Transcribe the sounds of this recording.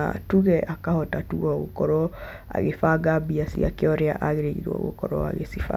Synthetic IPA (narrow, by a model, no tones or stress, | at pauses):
a̰tuɣɛʔakahɔtatuɣɔɣokɔɾɔ | a̰ɣefaɡabiasḭakeɔɾeaʔaɣeɾeɣḭɾwɔ̰ɣo̰kɔɾɔ̰a̰ɣesifa̰